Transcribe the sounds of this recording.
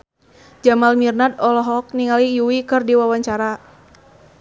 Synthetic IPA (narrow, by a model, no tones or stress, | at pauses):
d͡ʒamalmirnad̪ɔlɔɦɔk̚niŋalijuwikɨrdiwawaɲt͡ʃaɾa